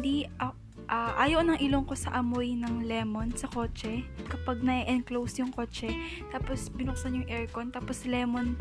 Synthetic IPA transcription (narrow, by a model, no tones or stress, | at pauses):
d̪iʔɐ | ʔaʔaːjoʔnɐŋʔɪloŋko̞sɐʔɐmojnɐŋlɛːmo̞nsɐko̞ːt͡ʃɛkɐpɐɡ̚nɐʔɛʔɛnklowsjʊŋko̞ːt͡ʃɛ | t̪aːposbɪnʊk̚sɐnjʊŋʔɛɹkont̪aːposlɛːmon